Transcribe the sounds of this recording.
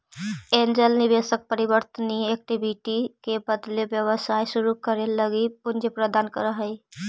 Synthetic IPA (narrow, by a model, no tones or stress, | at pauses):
end͡ʒəlnibesək̚pəɾibəɾt̪əniek̚ʈibʱiʈikebəd̪lebjəwəsajsuɾukəɾeləɡipund͡ʒepɾəd̪aːnkəɾəɦəj